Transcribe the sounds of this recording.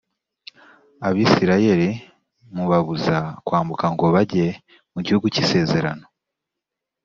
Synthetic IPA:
aβiːsiɾaje̞ɾi | muβaβuzakwaːmbukaŋɡo̞βaɟe̞ | muɟihuɡucise̞ːze̞ɾa̰no̞

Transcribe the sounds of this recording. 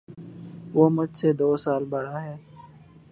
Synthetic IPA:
ʋoːmʊd͡ʒʱseːd̪oːsaːlbəɽaːɦɛː

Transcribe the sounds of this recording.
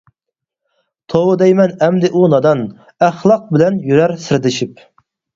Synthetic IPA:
t̪ʰowɨd̪ɛjmɛnɛmd̪ɪʔunɑd̪ɑn | æχlˠɑq̚bɪlɛnjyɾæɾsɪɾd̪ɪʃip̚

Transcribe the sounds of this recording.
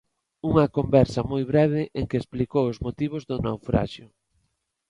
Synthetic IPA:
uŋɐkombɛɾsɐmojβɾɛβ̞ɪʔeŋkeːsplikowʊzmot̪iβ̞ʊzðʊnawfɾa̰ʃjʊ

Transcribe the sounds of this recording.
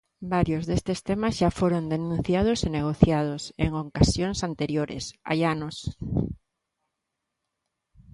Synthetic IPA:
baɾjozðest̪est̪emasʃafoɾond̪enũn̟θjaðoseneɣ̞oθjað̞osḛŋokasjoŋsant̪eɾjoɾḛsa̰janos

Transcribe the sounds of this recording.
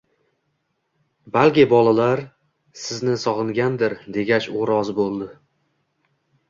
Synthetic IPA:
balkʲɪbɒlˠalaɾ | sɪznɪsɒʁɨŋɡʲand̪ɪɾd̪e̞ɡʲat͡ʃoɾɒzbolˠd̪ɪ

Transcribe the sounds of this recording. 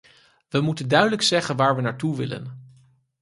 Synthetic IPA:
ʋəmutəndœɥdələksɛχənʋaːɹʋənaːɹtuʋɪ̰lə̰n

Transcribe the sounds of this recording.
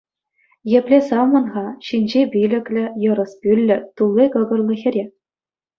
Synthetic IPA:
jɘ̆pʲlʲesɑmɤ̆nʁɑɕinʲd͡ʑebʲilʲɘ̆kʲlʲɘ̆jɤ̆ɾɤ̆spʲylʲːɘ̆t̪ulˠːikɤ̆ɡɤ̆rlˠɤ̆xʲɘ̆ɾʲe

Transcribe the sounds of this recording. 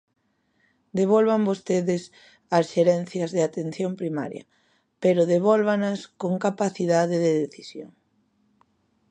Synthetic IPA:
d̪eβ̞olβambost̪eðɪs | ɐsʃeɾɛn̟θjɐzðɪat̪en̟θjompɾima̰ɾjɐ̰ | peɾoðeβɔlβanɐskoŋkapaθiðaðɪðeðeθisjoŋ

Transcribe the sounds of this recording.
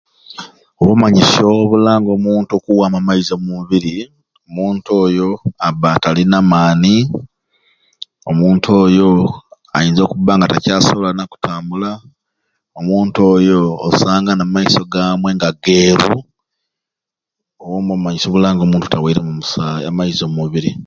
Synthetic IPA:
oβomaɲiso̞βulaːŋɡo̞muːntukuwaːmamaizomuβiɾi | omuːntuo̞ːjo̞aβatalinamaːni | omuːntʰoːjo̞ | a̰jiːnzo̞ːkuβːaːŋɡata̰caːsoβolanaku̥tʰaːmbula | omuːntuo̞ːjo̞̰ːsaːŋɡanamaiso̞ɡaːmwe̞ŋɡaɡe̞ːɾu | owomomaɲiso̞ːβulaːŋɡomuːntu̥tawiiɾemumusamaizomuβiɾi

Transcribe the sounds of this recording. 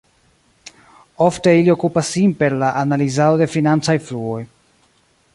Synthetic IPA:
o̞fte̞ilio̞kupasːinpe̞ɾlaʔanalizado̞de̞finant͡sajfluo̞j

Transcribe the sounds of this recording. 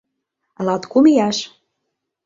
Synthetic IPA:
lɑt̪kumijɑʃ

